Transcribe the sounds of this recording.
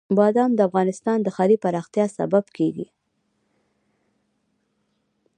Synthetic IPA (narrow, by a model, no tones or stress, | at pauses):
bɑd̪ɑmd̪əafɣɑnɪst̪ɑnd̪əxɑlipaɾɑxt̪jɑsa̰babkʰeɡḭ